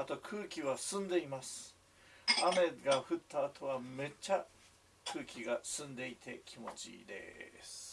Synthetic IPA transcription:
at̪o̞kʰɯːkʲiβasɨ̃nd̪e̞imasɨ̥ | ame̞ɡaɸɯ̟t̪ːaːt̪ʰo̞βame̞t͡ɕa | kʰɯ̟ːkʲiɡasɨ̃nd̪e̞it̪ʰe̞kʲʰimo̞t͡ɕḭd̪e̞̰sɨ̥ɨ̥

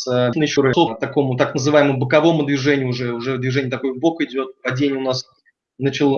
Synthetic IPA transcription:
sənəjɪɕʊɾɨsot̪ɐko̞mʊt̪aknəzɨvajɪməmbəkɐvo̞mʊd̪vʲɪʐɛnʲɪjʊʊʐɛʊʐɛd̪vʲɪʐɛnʲɪjət̪ɐko̞jbo̞kɪdʲo̞t̪̚pɐdʲenʲɪjəʊnas | nət͡ɕɪlˠ

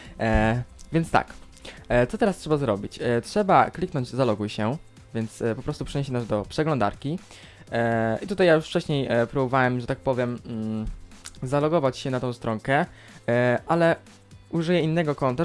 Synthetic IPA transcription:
vʲjɛnst̪a̰k | t̪sɔt̪ɛɾastʂɛbazɾɔbʲit͡ɕtʂɛbaklʲiknɔɲd͡ʑzalɔɡwɘɕɛ | vʲjɛnt̪spɔpɾɔst̪upʂɛɲɛɕɛnaʐd̪ɔpʂɛɡlɔ̃nd̪a̰ɾkʲi | it̪ut̪ajajuʂft͡ʂɛɕɲejpɾubɔvawɛmʐɛt̪ak̚pɔvʲjɛm̩ | zalɔɡɔvat͡ɕɕɛnat̪ɔ̃w̃st̪ɾɔŋkɛ | ʔalɛ | uʐɘjɛinːɛɡɔkɔnt̪a

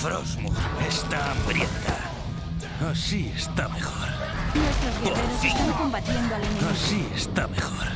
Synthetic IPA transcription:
fɾo̰zmuest̪aambɾjent̪a | asiest̪amexoɾ | nwest̪ɾozβeðeɾʊsest̪aŋkombat̪jend̪oalinasiest̪amexɔɾ

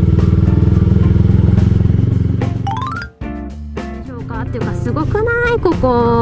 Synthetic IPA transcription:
kʲoːkat̪ːejɯ̟kasɨɡo̞kɯ̟naikoko

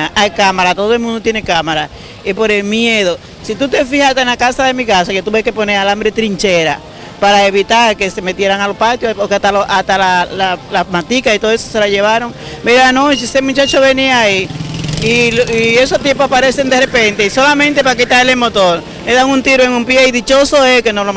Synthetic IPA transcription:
aʔajkamaɾat̪o̞ðoe̞lmũnd̪ot̪jenekamaɾa | ipo̞ɾe̞lmje̞ðo | sit̪ut̪e̞fihast̪enlakasaðe̞mikasaket̪uβeke̞po̞nealambɾet̪ɾiɲt͡ʃeɾa̰ | paɾae̞βit̪aɾke̞se̞me̞t̪je̞ɾaŋalopat̪jookeat̪aloʔat̪alalalamant̪ikait̪ooesose̞laʝe̞βaɾo̞ŋ | meɾaanot͡ʃesemũt͡ʃat͡ʃoβeniaaiː | liesot̪jepoapaɾe̞send̪erepe̞nt̪eiso̞lamẽnt̪e̞pak̬it̪aelemot̪oɾ | meðaŋunt̪iɾoeŋumpjeiðit͡ʃo̞so̞ekenolo

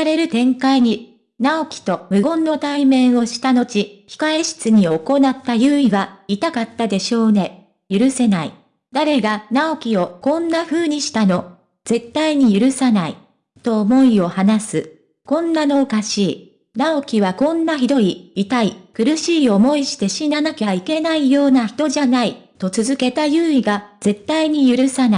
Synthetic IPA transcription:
aɾe̞ɾɯ̟t̪ẽ̞ŋkaiɲ̟i | nao̞kʲi̥t̪o̞mɯ̟ɡõ̞nːo̞t̪aimẽ̞ɰ̃o̞ɕi̥t̪ano̞t͡ɕiçi̥kae̞ɕi̥t͡sɨɲ̟iooko̞nat̪ːajɯ̟ːiɡait̪akat̪ːad̪e̞ɕo̞ːnẽ̞ | jɯɾɯ̟se̞nai | d̪aɾe̞ɡanao̞kʲio̞kõ̞nːaɸɯ̟ːɲ̟iɕi̥t̪ano̞ | z̥e̞t̪ːaiɲ̟ijɯɾɯ̟sanai | t̪o̞ːmo̞io̞hanasɨ | kõ̞nːano̞ːkaɕiː | nao̞kʲiβ̞akõ̞nːaçid̪o̞iːt̪aikɯ̟ɾɯ̟ɕiːo̞mo̞iɕi̥t̪e̞ɕinanakʲaike̞naijo̞ːnaçi̥t̪o̞ʑanait̪o̞t͡sɨzɨke̞t̪ajɯ̟ːiɡaz̥e̞t̪ːaiɲ̟ijɯ̟ɾɯ̟sana

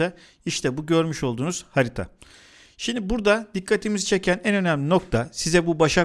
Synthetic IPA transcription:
a | iʃt̪ʰɛbuɟø̞ɾmyʃo̞lˠd̪uːnuz̥haɾit̪ʰa̰ | ʃimd̪ibuɾd̪ad̪ikʰːat̪ʰimizit͡ʃʰe̞cʰænɛnø̞næmlʲino̞k̚t̪ʰasizɛbubaʃa

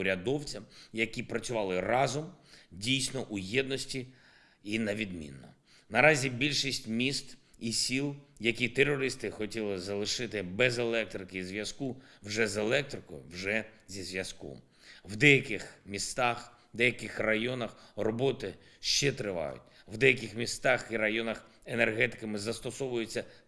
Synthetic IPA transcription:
ʊɾʲɐd̪ɔwt͡sʲɐmjɐkʲipɾɐt͡sʲʊʋɑlˠɪrɑzɔmdʲijsʲnɔʔujɛd̪nɔsʲtʲi | inɐʋʲid̪mʲḭnːɔ̰ | nɐɾɑzʲibʲilʲʃisʲtʲmʲist̪isʲilˠjɐkʲit̪erːɔɾɪst̪ɪxɔtʲilˠɪzɐlˠɪʃɪt̪ɪbɛzelˠɛk̚t̪ɾɪkɪzʋʲjɐskuwʒɛzelˠɛk̚t̪ɾɪkɔ̰wʒɛzʲizʋjɐskɔ̰m | wd̪ɛjɐkɪxmʲist̪ɑx | d̪ɛjɐkɪxrɐjɔnɐxrɔbɔt̪ɪ | ʃt͡ʃɛt̪ɾɪʋɑ̰jʊ̰tʲwd̪ɛjɐkɪxmʲist̪ɑxiɾɐjɔnɐx | enerɦɛt̪ɪ̥kɐmɪzɐst̪ɔsɔʋʊjet͡sʲːɐ

